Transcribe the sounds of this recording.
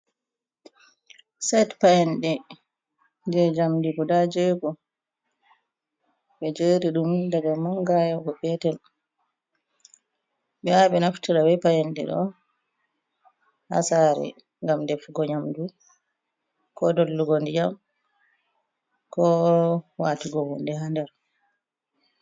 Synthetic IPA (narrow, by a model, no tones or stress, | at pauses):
sɛtpajɛnɗɛ | d͡ʒɛd͡ʒamdiɡɔdad͡ʒɛɡɔ | ɓɛd͡ʒeːɾiɗumdaɡamaŋɡajɔɡɔbɛtɛl | ɓɛaɓɛnaftiɾawɛpajɛndɛ̰ɗɔ̰ | ha̰saːɾɛ̰ | ŋɡamdɛfɡɔɲamdu | kɔdolːuɡondijam | kɔwaːtiɡɔwundɛɦandɛɾ